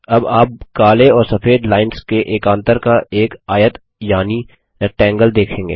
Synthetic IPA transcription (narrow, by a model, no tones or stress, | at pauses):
ɐbaːp̚kaːleɔːɾsɐfeːd̪laːɪnskeʔeːkãːnt̪əɾkaʔeːkaːjət̪ | jaːni | ʈɛ̃ːŋɡəld̪eːkʰẽːŋɡḛː